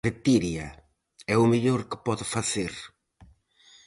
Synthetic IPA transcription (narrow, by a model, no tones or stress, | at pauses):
ɾet̪iɾjɐ | ɛʊmeʎoɾkɪ̥pɔðɪfaθeɾ